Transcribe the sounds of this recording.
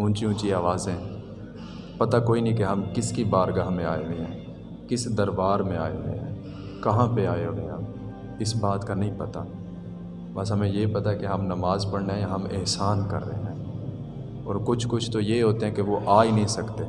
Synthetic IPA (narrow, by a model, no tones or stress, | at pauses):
ʊ̃nt͡ʃiũt͡ʃiaːʋaːzẽ | pɐt̪akoːinəɦĩkeɦɐmkɪskibaːɾɡaːɦmẽaːeɦʊẽɦɛ̃ː | kɪsd̪ɐɾbaːɾmẽaːeɦo̰ḛ̃ɦɛ̰̃ː | kɐɦãpeaːeɦoẽɦɐm | ɪsbaːt̪kanɐɦĩpɐt̪a̰ | bɐsɦɐmẽjepɐt̪aɦɛkeɦɐmnɐmaːzpɐɽneɛ̃jaɦɐmɪ̰ɦsaːnkɐ̰ɾːə̰ɦeɦɛ̃ː | ɔːɾkʊt͡ʃʰkʊt͡ʃʰt̪ojeɦoːt̪eɦɛ̃keʋoʔaːinɐɦĩsɐkt̪eː